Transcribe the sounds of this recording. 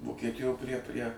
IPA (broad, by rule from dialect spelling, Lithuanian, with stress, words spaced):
ʋoːkʲiɛˈtʲɪjoː pʲrʲiɛ pʲrʲiɛ